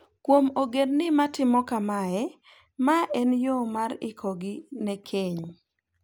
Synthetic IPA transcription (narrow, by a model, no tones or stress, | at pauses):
kwomoɡednɪmatɪmɔkamaɛ | maʔɛnjomaɾɪ̰kʰɔɡinɛkʰeɲ